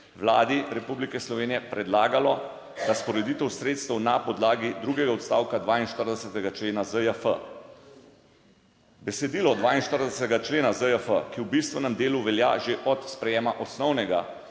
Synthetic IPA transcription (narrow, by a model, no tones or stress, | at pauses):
ʋlaːd̪iɾɛpublikɛslɔʋeːnijɛpɾɛd̪laːɡalɔ | d̪aspɔɾɛd̪it̪ɛwsɾeːt̪st̪ɛwnapɔd̪laːɡid̪ɾuːɡɛɡaɔt̪st̪a̰ːwkad̪ʋaːinʃt̪əɾd̪ɛsət̪ɛɡat͡ʃleːnazəjəfə̰ | bɛsɛd̪iːlɔd̪ʋaːinʃt̪əɾd̪ɛsət̪ɛɡat͡ʃleːnazəjəfəkiwbist̪ʋɛnɛmd̪eːluʋɛlja̰ʒeʔɔt̪spɾɛjeːmaʔɔsnɔwnɛɡa